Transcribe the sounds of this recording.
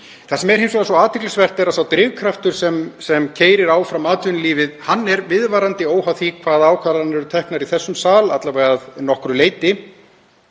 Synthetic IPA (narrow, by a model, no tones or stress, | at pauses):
θasɛmɛɾhejms̬ɔɣasɔaːðt̪ʰɪklʏsvɛr̥t̪ɛɾasawt̪ɾɪːvkʰɾaft̪ʏɾ̥sɛmsɛmcʰeːjɾɪɾaːwfɾamaːt̪ʏnliːvɪðhanːɛɾvɪðvaːɾant̪ɪoːwhaθikʰvaːðaːwkʰvaɾanːɛɾʏt̪ʰɛhknaɾiθɛsːʏmsaːlat̪lavɛɣaðnɔhkɾʏleːjt̪ɪ